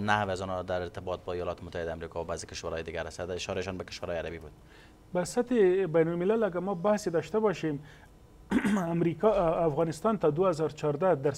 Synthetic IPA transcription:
nahweazɔnɔd̪aɾɪɾt̪ɪbɔt̪̚bɔijɔlɑt̪ɪmʊt̪ːahɪd̪amɾikɑwabazekɪʃwaɾɑjd̪ɪɡaɾasad̪ɪʃɔɾeʃɔnbəkɪ̥ʃwaɾhɑjaɾabibud̪̚ | basat̪ɪbajnʊlmɪlalaɡaɾmɑbahsed̪ɑʃt̪abɑʃem | amɾikafɣɑnɪst̪ɑnt̪ad̪uazɑɾt͡ʃɑɾd̪ad̪aɾ

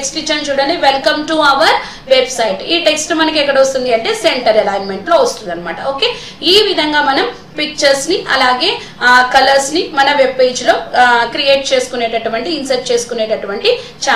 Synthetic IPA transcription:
ksʈit͡ʃːɐnt͡ʃuːɽɐniʋelkɐmʈuɐʋɐɾ | ʋebsɐjʈiːʈe̞ksʈmɐnɐkɛkːɐɽɐʋɐst̪und̪iɐɳʈe̞ːseɳʈɐɾɛlaːjnme̞ɳʈloːɐst̪und̪ɐnːɐmaːʈɐoːke̞ː | iːʋid̪ʱɐŋɡaːmɐnɐm | pik̚t͡ʃɐɾsniʔɐ̰laːɡe̞ː | kɐlɐɾsnimɐnɐʋebe̞ːd͡ʒlo̞ːkɾieːʈ̚t͡ʃe̞ːsu̥kuneːʈɐʈuʋɐɳʈiːnsɐjʈ̚t͡ʃe̞ːsu̥kuneːʈɐʈuʋɐɳʈi | t͡ʃaː

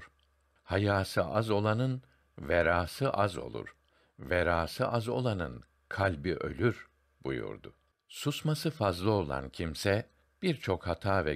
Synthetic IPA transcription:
ɾ | hajaːsɯʔazo̞lˠanɯn | vɛɾaːsɯʔazo̞̰lˠṵɾ̥ | vɛɾaːsɯʔazo̞̰lˠanɯn | kʰalʲbiʔø̞̰lʲyɾ | bṵjṵɾd̪ʊ | susmasɯfazlˠɯo̞lˠa̰ncʰimsɛ | b̥iɾt͡ʃʰo̞khat̪ʰaːvɛ

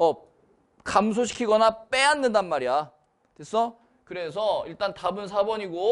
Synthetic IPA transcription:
ʌ | kams̬ʰoɕ̬ʰi̥kʰiɡʌnap͈e̞anːɯndanmaɾija | tes͈ʌ | kɯɾe̞s̬ʰʌiɭt͈antabɯns̬ʰabʌɲiɡo

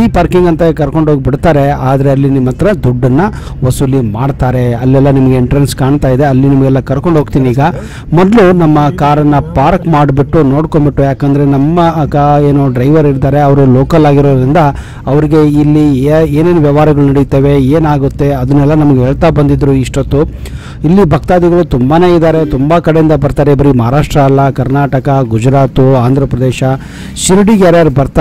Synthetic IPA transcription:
iːpaːɾkiŋɡɐnt̪ɐkɐɾko̞ɳɖɦoɡ̚biɽt̪aːɾe̞aːd̪ɐɾe̞ɐlːinimːɐt̪ːɐɾɐd̪uɖːɐnːɐ | ʋɐsuːlimaːɖt̪aːɾe̞ɐlːɛlːɐnimɐɡeːɳʈɐɾɐnskaːɳt̪aːjid̪e̞ɐlːinimɐɡɛlːɐkɐɾko̞ɳɖɦoːɡt̪iːniːɡɐ | mɔd̪lunɐmːɐkaːɾɐnːɐpaːɾkmaːɽbiʈːunoːɽkombiʈːujaːkɐnd̪ɐɾe̞nɐmːɐkeːnoːɖɾɐjʋɐɾiɾt̪aːɾe̞ɐʋɐɾuloːkɐlaːɡiɾoːd̪ɾind̪ɐ | ɐʋɐɾiɡe̞ilːieːne̞ːnʋjɐʋaːɾɐɡɐɭunɐɽit̪eːʋe̞eːnaːɡut̪ːe̞ɐd̪ɐnːɛlːɐnɐmɐɡeɦeːɭt̪abɐnd̪id̪ɾuiʂʈot̪ːu | ilːibʱɐkt̪aːd̪iɡɐɭut̪umbaːne̞ːid̪aːɾe̞t̪umbɐkɐɽejind̪ɐbɐɾt̪aːɾebɐɾimɐaɦaːɾaːʂʈɾɐːlːɐkɐɾnaːʈɐkɐɡud͡ʒɾaːt̪uaːnd̪ʱɾɐpɾɐd̪eːʃɐ | ʃiɾɖiɡaːɾjɐɾbɐɾt̪a

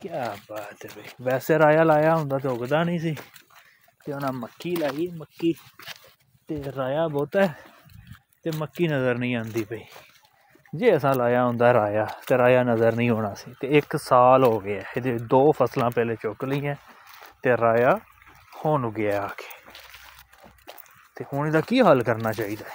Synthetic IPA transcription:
kjaːbaːt̪ɛpəiːʋɛːseːɾaːjaːlaːjaːɦʊ̃nd̪aːt̪̬eʊɡd̪aːnĩːs̬iː | t̪eːʊnãːməkːiːlaːiːɛːməkːiː | t̪eːɾaːjaːbɔːt̪ɛː | t̪eːməkːiːnəzəɾnəĩːãːnd̪iːpəiː | d͡ʒeːəsãːlaːjaːɦʊ̃ːnd̪aːɛɾaːjaːt̪eːɾaːjaːnəzəɾnĩːɦoːɽaːsiːt̪eːɪksaːlɦoːɡɪaːɪd̪eːd̪oːpʰəslãːpɛːlẽːt͡ʃʊkləĩːãːt̪eːɾaːjaː | hoːnɡɪaːaːke̥ː | t̪eːɦʊnːd̪aːkiːɦəlkəɾnaːt͡ʃaːiːd̪aː

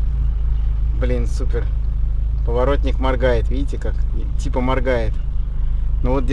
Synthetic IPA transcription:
blʲinsupʲɪr | pəvɐɾo̞t̪ʲnʲɪkmɐrɡajɪt̪vʲidʲɪtʲɪkaktʲipəmɐrɡajɪt̪ | novo̞t̪̚dʲ

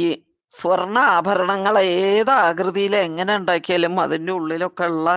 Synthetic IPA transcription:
i | sʋɐrɳɐaːbʱɐɾɐɳɐŋːɐɭeːðaːɡɾɨðijileŋːɐne̞uɳɖaːkʲːijaːlumɐ̰ðindeuɭːilo̞kːe̞ɭːɐ

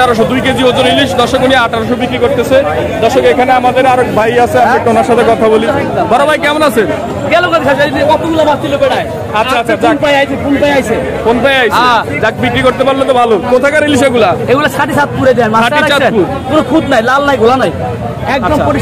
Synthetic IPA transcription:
aɾoʃ̬od̪ujked͡ʑibod͡ʑoɾiliʃd̪ɔʃokunijaaʈaɾoʃ̬obikɾikoɾt̪esʰed̪ɔʃokekʰaneamad̪eɾaɾokbʱajasʰeaeʈonaɾʃat̪ʰekɔt̪ʰabolibɔɾobʱajkɛmonase | ɡɛlonad̪ikʰasainiɔt̪oɡulamat̪ilobeɽaj | atːʰaatːsʰd͡ʑanpajajsʰefʰonpajajsʰe | fonpajajsʰea | d͡ʑak̚bikɾikoɾt̪epaɾlot̪ɔbʱalokot̪ʰakaɾiliʃ̬eɡulaeɡulasaʈit͡ɕat̪̚puɾed̪aenmasait͡ɕat̪puɾ | konokʰud̪najlalnajɡolanaj | ɛk̚aɾɔmpoi

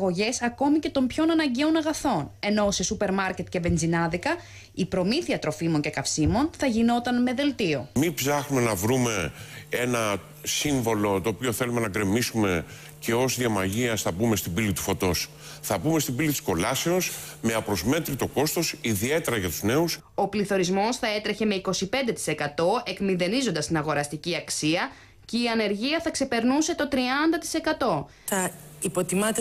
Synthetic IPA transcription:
ɣo̞ʝe̞sɐko̞mice̞t̪o̞mpço̞nɐnɐɲɟe̞onɐɣɐθo̞ne̞no̞se̞supe̞ɾmɐɾce̞t̪ce̞be̞nzinɐðikɐ | ipɾo̞miθiɐt̪ɾo̞fimo̞ɲce̞kɐfsimo̞nθɐʝino̞t̪ɐnme̞ðe̞lt̪io̞mibsɐxnume̞nɐvɾume̞enɐ | siɱvo̞lo̞t̪oːpio̞θe̞lume̞nɐɡɾe̞misume̞ | ce̞o̞zðiɐmɐʝiɐsθɐbume̞st̪ibilit̪u̥fo̞t̪o̞s | θɐbume̞st̪ibilit̪i̥sko̞lɐse̞o̞sme̞ɐpɾo̞zme̞t̪ɾit̪o̞ko̞st̪o̞siðie̞t̪e̞ɾɐʝɐt̪uzne̞us | o̞pliθo̞ɾizmo̞sθɐe̞t̪ɾe̞çe̞me̞iko̞sipe̞nd̪e̞t̪i̥se̞kɐt̪o̞e̞kmiðe̞nizond̪ɐst̪inɐɣo̞ɾɐst̪iciɐksiɐ | ce̞iɐne̞ɾʝiɐθɐkse̞pe̞ɾnuse̞t̪o̞t̪ɾiɐnd̪ɐt̪i̥se̞kɐt̪o̞ | θɐipo̞t̪imɐt̪e

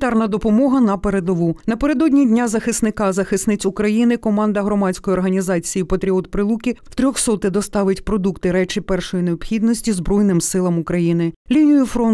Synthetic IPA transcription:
t̪ɑrnɐd̪ɔpɔmɔɦɐnɐpeɾed̪ɔʋunɐpeɾe̞d̪ɔdʲnʲidʲnʲazɐxɪsnɪkɑzɐxɪsnɪt͡sʲʊkɾɐjinɪkɔmɑnd̪ɐɦɾɔmɑt͡sʲkɔjiɔrɦɐnʲizɑt͡sʲijipɐt̪ɾʲiɔt̪pɾɪlˠukʲiwt̪ɾʲɔxsɔt̪ɪd̪ɔst̪ɑʋɪtʲpɾɔd̪ukt̪ɪɾɛt͡ʃɪpɛrʃɔjineɔpxʲid̪nɔsʲtʲizbɾɔjnɪmsɪlˠɐmukɾɐjinɪlʲinʲijʊfɾɔn

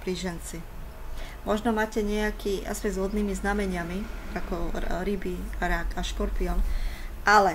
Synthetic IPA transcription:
pɾiːʒɛnt͡si | mɔʒnɔmaːcɛɲɪɛakiːʔa̰spɛzɦɔd̪niːmiznamɛɲɪamiakɔɾibiɾakaʃkɔɾpiɔnʔalɛ

